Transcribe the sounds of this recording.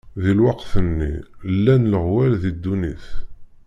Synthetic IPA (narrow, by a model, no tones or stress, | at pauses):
ðilwɑqθənːḭlːænləʁwælðid̪ːuniθ